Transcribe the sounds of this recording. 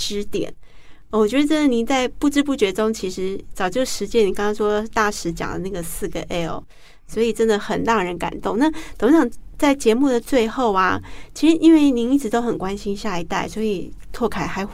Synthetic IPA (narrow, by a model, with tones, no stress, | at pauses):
ʈ͡ʂɻ̩˥t̪jɛ̰˨˩˦n | ə˨˩wɔ˨˩t͡ɕɥɛ˧˥ə˧ʈ͡ʂə˥d̪ə˨˩ni˨˩nt͡sa˥˧ɪpu˥˩ʈ͡ʂɻ̩˥pu˥˩t͡ɕɥɛ˧˥ʈ͡ʂʊ˥ŋt͡ɕʰi˧˥ʂɻ̩˧˥t͡sɑ˨˩ʊt͡ɕjo˥˩ʊʂɻ̩˧˥t͡ɕjɛ˥ni˨˩kɑ˥ŋkɑ˥ŋʂwɔ˥t̪a˥˩ʂɻ̩˧˥t͡ɕjɑ̰˨˩ŋlə˦na˥˩ɡə˩sɹ̩˥˩ɡə˩ʔɛ˥˩l | swɔ˧˥i˨˩ʈ͡ʂə˦˥nd̪ə˨˩xə˨˩nlɑ˥˩ɻə˧˦˥nka̰˨˩nt̪ʊ˥˧ŋna˥˩t͡sʰo˨˥ɕɑ˨˩ŋt͡sa˥˩ɪt͡ɕjɛ˧˥mu˥˩d̪ə˩t͡swe˥˧ɪxo˥˩ʊa˩t͡ɕʰi˧˥ʂɻ̩˧˦ʔi˥nwe˥˩ɪni˧˥ŋi˥˩ʈ͡ʂɻ̩˧˥t̪o˥ʊxə˨˩nkwa˦˥nɕi˥nɕja˥˩i˧˥t̪a˥˩ɪswɔ˧˥i˨˩t̪ʰwɔ˥˩kʰa˨˩ɪxa˧˥ɪx